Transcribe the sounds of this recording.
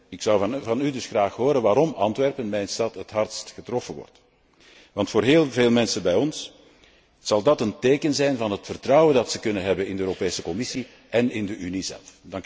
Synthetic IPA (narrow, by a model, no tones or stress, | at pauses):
ɪksɑwvɑnydʏsxraːxɦoːɾənʋaːɾɔmɑntʋɛrpənmɛjnstɑtɦətɦɑrtstxətrɔfənʋɔ̰rt | ʋɑntfoːrɦeːlˠveːlˠmɛnsənbɛjɔns | z̥ɑlˠdɑtənteːkənzɛjnvɑnɦətfərtrɑwəndɑtsəkɵnənɦɛbənɪndəøːɾopeːsəkɔmɪsi | ʔɛnɪndəʔynizɛ̰lˠfdɑŋk